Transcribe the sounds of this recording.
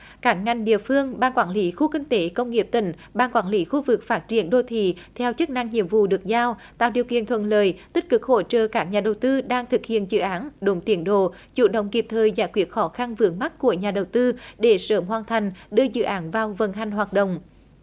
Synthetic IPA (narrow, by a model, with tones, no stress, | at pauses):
kaː˦˥k̚ŋa˨˩jŋ̟ɗḭ˧˨əfɨ˧əŋɓaː˧nkwaː˧˩nli˨˦xu˧kï˧ŋ̟t̪e˨˦kə˧wŋ͡mŋi˨˩əp̚t̪ï˧˩ŋ̟ | ɓaː˧nkwaː˧˩nli˨˦xu˧vɨ˨˩k̚faː˦˥t̚t͡ɕi˧˩ənɗo˧t̪ʰḭ˧˨t̪ʰɛ˧wt͡ɕɨ˦˥k̚na˧ŋɲḭ˧˨əmvṵ˧˨ɗɨ˨˩ək̚zaː˧wt̪a̰ː˧˨wɗi˨˩əwkḭ˧˨ənt̪ʰwə˧˨nləː˨˩jt̪i˦˥k̟̚kɨ˨˩k̚ho˧˩t͡ɕəː˨˩kaː˦˥k̚ɲaː˨˩ɗə˨˩wt̪ɨ˧ɗaː˧ŋt̪ʰɨ˨˩k̚hḭ˧˨ənzɨ̰˧˨ʔaː˨˦nɗo˨˦ŋ͡mt̪i˨˧˦ənɗo̰˧˨t͡ɕṵ˧˩ɗə̰˧˨wŋ͡mki˨˩p̚t̪ʰəː˨˩jzaː˧˩jkwi˨˦˥ət̚xɔ˨˦xa˧nvɨ˨˧˦əŋma˦˥t̚ku˧˩əɲaː˨˩ɗə˨˩wt̪ɨ˧ɗe˧˩səː˨˦˩mɦwaː˨˩nt̪ʰa˨˩jŋ̟ɗɨ˧əzɨ̰˧˨ʔaː˨˦nvaː˨˩wvə˨˩nɦa˨˩jŋ̟ɦwaː˨˩t̚ɗə̰˧˨wŋ͡m